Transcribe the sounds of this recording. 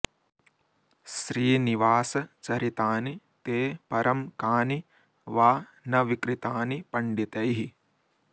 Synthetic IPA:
ʃɾiːniʋaːsɐt͡ʃɐɾit̪aːni | t̪eːpɐɾɐmkaːni | ʋaː | nɐʋikɾit̪aːnipɐɳɖit̪ɐjɦi

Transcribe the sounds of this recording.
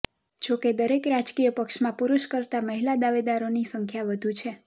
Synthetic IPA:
d͡ʒoked̪əɾekɾad͡ʒkijəpəkʃmãpuɾuʃkəɾt̪aməɦilad̪aʋed̪aɾonisəŋkʰjaʋəd̪ʱut͡ʃʰe

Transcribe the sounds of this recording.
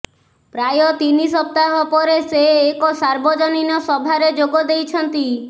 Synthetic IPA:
pɾajɔt̪inisɔp̚t̪aɦɔpɔɾeseːkɔsaɾbɔd͡ʒɔninɔsɔbʱaɾed͡ʒoɡɔd̪ejt͡ʃʰɔnt̪i

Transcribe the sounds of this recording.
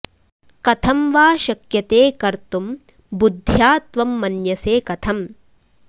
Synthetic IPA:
kɐt̪ʰɐmʋaːʃɐkjɐt̪eːkɐɾt̪um | bud̪ʱːjaːt̪ʋɐmːɐnjɐseːkɐt̪ʰɐm

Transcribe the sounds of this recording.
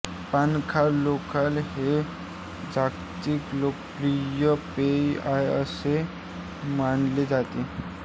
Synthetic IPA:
pankʰalokalhe | d͡zakt̪iklok | ɾijəpeiajəse | manled͡zat̪e

